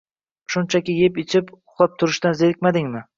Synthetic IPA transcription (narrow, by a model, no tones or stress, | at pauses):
ʃʊnt͡ʃʰakʲɪje̞pet͡ʃʰɪpʊ̥χlˠap̚t̪ʰʊɾɪʃt̪anzeɾɪkʲmad̪ɪŋmɪ